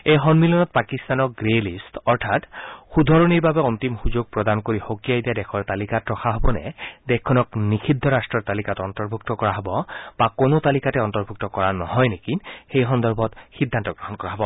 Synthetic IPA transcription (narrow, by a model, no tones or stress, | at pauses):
ejxɔnmilɔnɔt̚pakist̪anɔk̚ɡɹelistɔɹtʰatxud̪ʱɔɹoniɹbabɛɔntimxuzoɡ̚pɹɔdankoɹixokijajdiadɛkʰɔɹt̪alikatɹɔxʰaɦɔbɔnɛ̰dɛkkʰːɔnɔknikʰidʱːɔɹastɹɔɹt̪alikatɔntɔɹbʱuk̚tɔkɔɹaɦɔbɔb̥akonot̪alikatɛɔntɔɹbʱuk̚tɔkɔɹanɔɦɔjnekinxejxɔnd̪ɔɹbʱɔtxid̪ʱːantɔɡɹɔɦɔnkɔɹaɦɔbɔ